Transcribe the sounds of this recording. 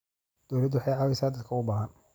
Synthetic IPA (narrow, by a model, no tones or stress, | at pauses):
d̪̥ɔwlɐd̪wɑħɑjʕɑːwɛjsaːd̪ɐd̪kʰɐʊbaːɦɐn